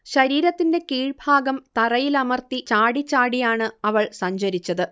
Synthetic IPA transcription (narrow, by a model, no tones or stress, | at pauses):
ɕɐɾiːɾɐt̪ːinde̞kiːɻbʱaːɡɐmt̪ɐrɐjilɐmɐrt̪it͡ɕaːɽit͡ɕːaːɽijaːɳɨɐʋɐɭsɐɲd͡ʑɐɾit͡ɕːɐðɨ